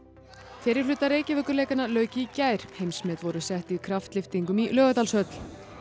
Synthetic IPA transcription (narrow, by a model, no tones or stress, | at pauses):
fɛːɾɪɾ̥flʏːt̪ːaɾeːjcɪvœːkʏɾleːjkanalœːɥcɪicaːjɾ̥hejmsmɛːt̪vɔɾʏsɛht̪iðkʰɾaft̪lɪft̪iŋkʏmilœːɣat̪alsœt̪l̥